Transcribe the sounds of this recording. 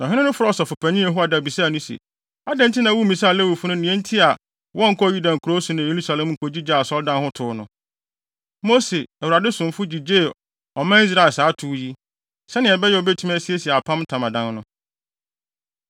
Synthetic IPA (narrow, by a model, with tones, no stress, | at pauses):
nã˨ɦɪ˦nɪ̃˦nʊ̃˦fʊ˦ɾɔ˦ɔ˨sɔ˨fʊ˨pʰæ̃˨nĩ˦ɛ˨ɦʊ˦a˨da˨bi˨saː˦˨nʊ̃˦sḛ˨ | a˦dɛ̃˦n̩˦tʰi˦nã˨wu˦mĩ˨sa˦˨le˦wi˨fʊ˦nʊ̃˦nĩ˨ɛ̃˦n̩˦tʰi˦a˨ | wɔ̃˦ŋ̩˨kʰɔ˦˨ji˦dã˨ŋ̩˨kʰu˨ɾo˦su˨nã˨je˨ɾu˦sa˨lɛ̃˨mŋ̩˨kʰo˨d͡ʑi˦d͡ʑa˦˨a˨sɔ˦ldã˦nhʊ̃˦tʰʊ˦nʊ̃˦ | mo˦se˨ɛ˨wu˨ɾa˨dɪ˦sʊ̃˨m˨fʊ˦d͡ʑi˨d͡ʑeː˦˨ | ɔ˨mã˦i˦s̬ɾa˨ɪ˨saː˨˦tʰʊ˨˦ji˦ | sɛ˦nɪ̃˨ɛ˨bɛ˦jɛ˨ɔ˨be˦tʰu˦mɛ˦si˦e˦si˨ɛ˨a˨pʰã˦mtʰã˨mã˨dã˦nnʊ̃˦